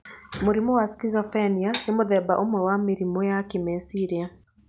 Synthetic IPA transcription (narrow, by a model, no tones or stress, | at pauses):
moɾimɔwaskizɔfɛnianemoðɛba̰ʔomwɛwameɾimɔjakemɛsiɾia